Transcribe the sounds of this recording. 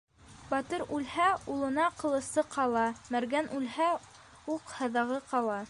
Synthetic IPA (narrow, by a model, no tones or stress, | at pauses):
bɑt̪ɤɾʉlhæulˠɤ̆nɑqɤ̆lˠɤ̆sɤqʰɑlˠɑmæɾɡænʔʉlhæ | uqhɤ̆ðɑʁɤqɑlˠɑ